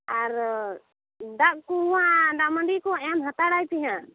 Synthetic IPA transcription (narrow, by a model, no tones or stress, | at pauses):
aɾ | d̪aʔkuwaɖaməɳɖikɔɛmɦat̪aɽajpiɦã